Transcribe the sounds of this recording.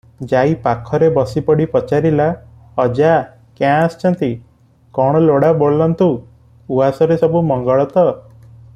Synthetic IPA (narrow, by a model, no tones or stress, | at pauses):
d͡ʒaipakʰɔɾebɔsipɔɽipɔt͡ʃaɾila | ɔd͡ʒa | kjãst͡ʃʰɔnt̪i | kɔɽ̃ɔloɽaboɭlɔnt̪u | uasɔɾesɔbumɔŋɡɔɭɔt̪ɔ